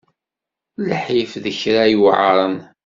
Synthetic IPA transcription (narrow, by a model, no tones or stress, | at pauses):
ləħifðəçɾajuʕəɾˤən